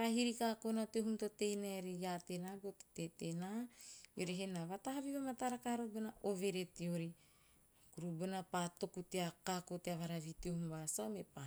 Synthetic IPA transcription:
aɾaɦiɾikakonateɦumtote̞jnaeɾijatenabote̥tetenajoɾeɦenaβataɦaβiβamataɾakaɾobonaʔove̞ɾetioɾi | kuɾubonapato̞kuteakakoteaβaɾaβiteohumbasaomepa

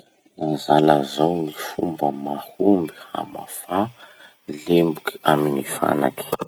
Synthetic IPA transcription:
nazalazawmifumbəmahumbiha̰ma̰fa | lembuki̥aminifa̰na̰ki̥

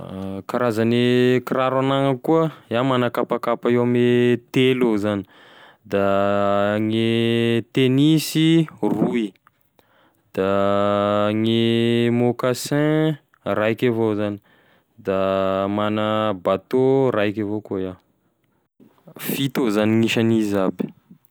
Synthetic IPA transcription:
kaɾazanekiɾaɾanaŋəkuəjamanəkapakapaewamet̪elozani̥ | d̪a | ŋet̪enisirui | d̪̥a | ŋemokasɛ̃ | ɾajkavozani̥ | d̪amanəbat̪oɾajkavokoja | fit̪ozaniŋiʃanizabi̥

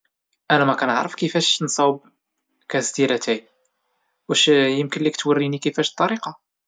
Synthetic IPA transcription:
ʔænæmækænə̰ʕɾəfkifæʃnsˤɑwb | kæsd̪iɾæt̪æj | wæʃjəmkənlikt̪wərːinikifæʃt̪ˤːɑɾiqɑ

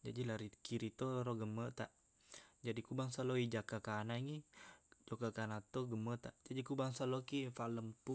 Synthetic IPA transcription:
d͡ʒadilaɾikiɾit̪oɾoɡəmət̪aʔ | d͡ʒadikubaŋsaloid͡ʒakakanaŋid͡ʒokakanat̪oɡəmət̪aʔd͡ʒadikubaŋsalokifaləmpu

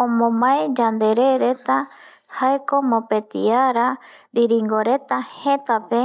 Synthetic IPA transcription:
õmõmãed͡ʒand̪e̞ɾeɾe̞t̪a | haeko̞mõpet̪iaɾa | ɾiɾiŋɡoɾe̞t̪ahhe̞t̪ape̞

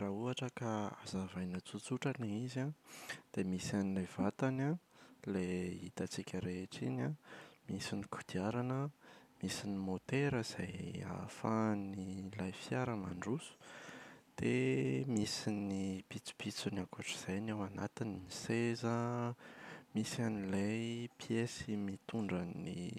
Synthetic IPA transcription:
rauaʈ͡ʂəkaa̰zavajnət͡sut͡suʈ͡ʂaniizad̪̥emisanilevat̪analeit̪at͡sikʲəɾeʈ͡ʂinamisinikud̪̥iaɾanəmisinimot̪eɾəiz̥aja̰fanilajfijaɾəma̰ɳɖ͡ʐusu̥d̪̥emisinipit͡si̥pit͡sunakaʈ͡ʂə̥z̥ajnawanat̪inimisezə | misanilejpijesimit̪uɳɖ͡ʐanḭ

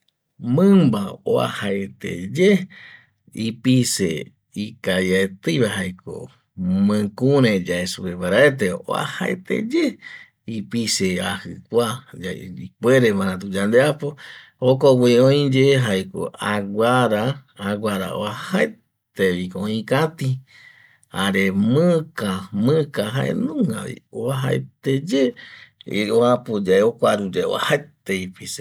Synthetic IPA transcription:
mɨ̃mbao̰a̰haet̪ḛd͡ʒe | ipise | ikajaet̪ɨβaɦajkʰo̰ | mɨ̃kũɾẽd͡ʒaesuɾeβaɾaet̪̬eo̰a̰haet̪ḛd͡ʒe | ipiseahɨkʷad͡ʒaipweɾeβãɾãt̪ud͡ʒand̪eapo | okoɡʷiõj̃d͡ʒeɦaeko̰aɡʷaɾaːɡʷaɾa̰o̰ahae | t̪eβikoõĩkãt̪i | aɾemɨ̃kamɨ̃kaɦaʔḛnũŋɡa̰βḭoaɦa̰et̪ed͡ʒe | oapod͡ʒaeokʷaɾud͡ʒeo̰a̰haet̪eipise

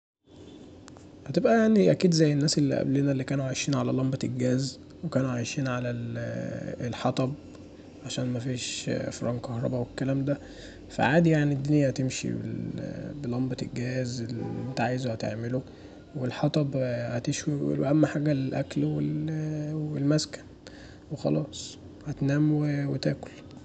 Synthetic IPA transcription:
hæt̪ebʔæjaʕniʔækiːd̪zæjːenːæːselːḭʔæ̰blenælːikæːnuʕajʃiːnʕalælɑmbɑelɡæːz | wekæːnuʕajʃiːnʕalæl | elħɑt̪ˤɑb̚ | ʕaʃæːnmæfiːʃfɾˤɑ̰ːnkɑhɾˤɑ̰bɑwekːælæːmd̪æ | fæ̰ʕaːd̪ijaʕnid̪ːonejːæhæt̪emʃḭbḛbelɑmbɑt̪elɡæːzelʔent̪æʕaːjezhæt̪ḛʕmelu | welħɑt̪ˤɑbhæt̪eʃwiwḛlwḛʔæmːæħaːɡælʔæklwelwelmæskæ̥n | wexɑ̰lɑːsˤ | hæt̪næːmwewet̪æːkol

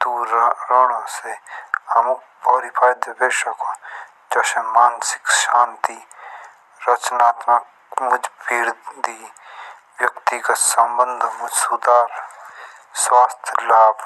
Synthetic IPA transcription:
d̪uɾɾoːɽaseɐmuk̚ | bɔːɾipʰaːjd̪beːʃəko | d͡ʒɐʃemaːnsɪ̥kʃaːnt̪i | ɾət͡ʃnaːt̪mək | mʊd͡ʒʱbiːɽd̪i | wjəkt̪ikasəmbə̃nd̪ʱmʊd͡ʒsud̪aːɾ | swaːst̪ʰjlaːb

